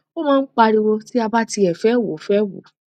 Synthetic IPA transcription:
o˦mãː˦˧n̩˦k͡pa˧ɾi˧wo˧ti˦a˧ba˦ti˧ɛ˨fɛ˨˦˨wo˨˦fɛ˦wo̰˨˦

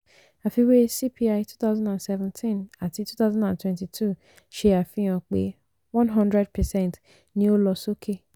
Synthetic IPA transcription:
a˨fi˧we˦si˦pʰi˦a˦jtu˦ta˦ʊzãndã˨nsɛ˦vɛ̃˦ntʰĩ˦˨na˨ti˨˦tu˦ta˦zɔ̃˦dã˨ntwɛ̃˦nti˨tʰu˦ | ʃe˧a˨fĩ˦j̃ã˧k͡pḛ˨˦ | wɔ̃˦nɦɔ̃˦ndɾɛ˦d̚pɛ˨sɛ̃˦˨nt | nĩ˦o˦lɔ˧so˦kʰe˦˨

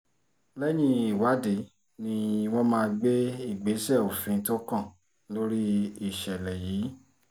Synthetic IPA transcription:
lɛ˦j̃ĩ˦i˦˨wa˨˦de˨˦ | nĩ˧wɔ̃˦mãː˦˧ɡ͡be˦i˦˨ɡ͡be˨˦sɛ˦˨o˨fĩ˨˦to˦kã˦˨ | lo˦ɾi˦i˦˨ʃɛ˨lɛ˨jiː˨˦

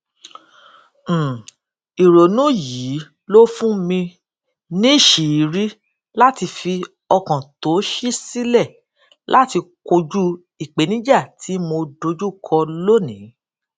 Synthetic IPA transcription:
i˨ɾo˨nũ˦jiː˨˦ | lo˦fũ˦mĩ˧ | nĩ˦˨ʃi˨i˨˦ɾi˦ | la˦ti˧fi˧ | ɔ˧kã˨to˨˦ʃi˦si˦lɛ˦˨ | lʔa˦ti˧ko˧d͡ʒu˦ | i˨k͡pe˨˦nĩ˦d͡ʒa˦˨tʰi˨˦mo˧do˧˦d͡ʒu˦˨kʰɔ˧lo˦nĩ˨˦

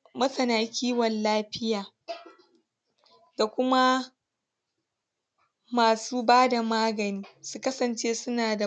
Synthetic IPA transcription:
mɐ˦sɐ˨naː˨kʲiː˦wɐ˨nlaː˦ɸɪ˦jaː˨ | da˨kʷʊ˦ma˦ | maː˨suː˦baː˦da˨maː˦ɡɐ˨niː˦su˦kɐ˦sɐ˨nt͡ʃeː˦sʊ˦naː˨da˨

